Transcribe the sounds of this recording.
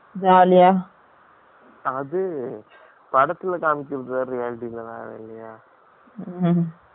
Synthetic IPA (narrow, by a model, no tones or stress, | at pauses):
daːlɐjaː | ɐðɯ | pɐɽɐt̪ːɪlɐkaːmɪkʲːɾɐðɐaɾijaːlɪʈilːɐna̰ːʋɐ̰lːɐjaː